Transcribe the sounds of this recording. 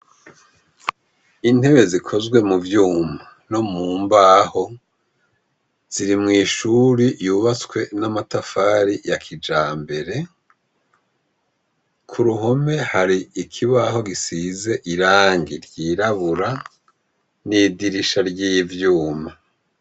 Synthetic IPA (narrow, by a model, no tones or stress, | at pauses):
in̥e̞βe̞zikʰo̞zɡwe̞muvjuːma | no̞muːmbaho̞ | z̥iɾimŋiːʃuɾijuːβat͡swe̞namatafaːɾijakʰid͡ʒaːmbe̞ɾe̞ | kʰuɾuɦo̞me̞haɾiikʰiβaːho̞ɡisize̞ʔiɾaːŋɡiɾjiːɾaβuɾa | nidiɾiʃaɾɟiːvjuːma